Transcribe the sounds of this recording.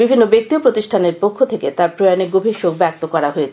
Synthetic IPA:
bibʱinːobek̚t̪iopɾot̪iʃʈʰaneɾpokʰːot̪ʰeket̪aɾpɾojaneɡobʱiʃok̚bɛk̚t̪okɔɾaɦoe

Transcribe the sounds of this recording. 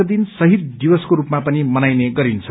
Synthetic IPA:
ʌd̪insʌɦit̪̚d̪ibʌskoɾupmapʌnimʌnajneɡʌɾint͡sʰʌ

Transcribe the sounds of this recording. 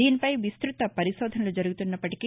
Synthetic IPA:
iːnipɐjʋist̪ɾut̪ɐpɐɾiʃɔːd̪ʱɐnɐlud͡ʒɐɾuɡut̪unːɐpːɐʈiki

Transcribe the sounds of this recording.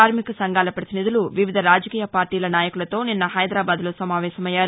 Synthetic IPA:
aːɾmikɐsɐŋɡaːlɐpɾɐt̪inid̪uluʋiʋid̪ʱɐɾaːd͡ʒɐkiːjɐpaːɾʈiːlɐnaːjɐkulɐt̪o̞ːninːɐɦɐjd̪ɾaːbaːd̪loːsɐmaːʋɛːsɐmɐjːaːɾ

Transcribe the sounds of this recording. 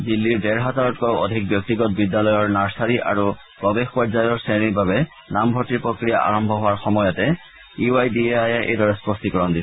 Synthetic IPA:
dilːiɹdɛɹɦataɹɔt̚kɔwɔ̰dʱik̚bjɔk̚tiɡɔt̚bidjalɔjɔɹnaɹsaɹiʔa̰ɹu | pɔbexpɔɹzajɔɹseniɹbabɛ | nambʱɔtiɹpɹokɹija̰ʔa̰ɹɔmbʱɔɦowaɹxɔmɔjɔtɛ | iajdiajɛʔḛjdɔɹɛspɔstikɔɹɔndi

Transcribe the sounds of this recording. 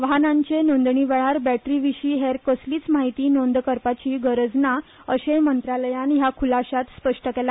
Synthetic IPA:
ʋəɦanãɲt͡ɕenond̪ɳiːʋɛɭaɾbæʈɾiʋiɕiːɦeɾkəsliːt͡smaɦit̪iːnond̪kəɾpat͡ɕiːɡəɾəd͡zna | əɕemənt̪ɾaləjanjakʰulaɕat̪spəʂʈəkela

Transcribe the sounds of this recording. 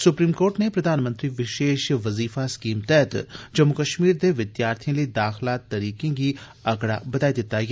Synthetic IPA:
sʊpɾiːmkoːɾʈnepɾɐd̪ʱaːnmə̃nt̪ɾiʋɪʃeːʃʋɐziːfaskiːmt̪ɛːt̪d͡ʒɐmːukɐʃmiːɾd̪eʋɪd̪jaːɾt̪ʰijõlid̪aːxlaːt̪ːɐɾiːkẽɡi | ɐɡɽa̰bɐd̪aːid̪ɪt̪aj

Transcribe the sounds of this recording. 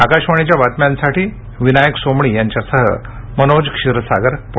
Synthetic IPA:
akaɕʋaɳit͡ɕjaʋat̪mjãnsaʈiː | ʋinajəksomɳiːjaɲt͡ɕjasəɦə̰ | mənod͡zkʂiɾəsaɡəɾp

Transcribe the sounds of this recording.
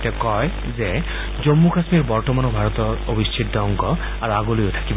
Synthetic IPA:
tɛkɔj | ze | zomːukasmiɹbɔɹtɔmanɔbʱaɹɔt̪ɔɹobistʰit̪̚d̪ɔɔŋkɔ | aɹuaɡolojotʰḁkib

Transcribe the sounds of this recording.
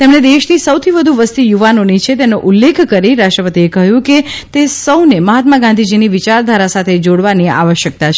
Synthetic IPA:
t̪emɳed̪eʃnisəwt̪ʰiʋəd̪ʱuʋəst̪ijuʋanonit͡ʃʰet̪̬enoʔulːekʰkəɾiɾaʃʈɾəpət̪iekəɦjũket̪esəwneməɦat̪maɡãnd̪ʱid͡ʒiniʋit͡ʃaɾd̪ʱaɾasat̪ʰed͡ʒoɽʋania̰ʋəʃjək̚t̪at͡ʃʰ

